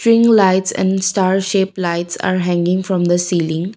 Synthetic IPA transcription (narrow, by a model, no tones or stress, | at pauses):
ʈɾɪ̃ŋlaɪʈsɛ̰̃nɖsʈaːɾʃeːplaɪʈsa̰ːɾɦɛ̃ŋɡɪ̃ŋfɾɔ̃md̪əsiːlɪ̃ŋ